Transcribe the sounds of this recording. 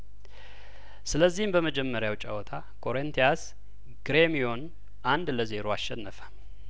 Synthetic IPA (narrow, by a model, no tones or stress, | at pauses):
sɨləzːihmbəməd͡ʒɛmːəɾjawt͡ʃʼa̰wɔt̪ʰa | kʰo̞ɾent̪ʰijas | ɡ̥ɾemijo̞n | ʔand̪ləze̞ɾoasʃːɛnːəfə̥